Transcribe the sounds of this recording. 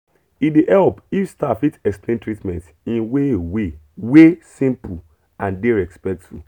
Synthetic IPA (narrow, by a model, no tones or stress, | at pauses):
ideʔɛlpifstafitɛksplẽntɹitmɛ̃nt | ĩnwewe | wesĩmpu | ãndeɹɛkspɛk̚tṵ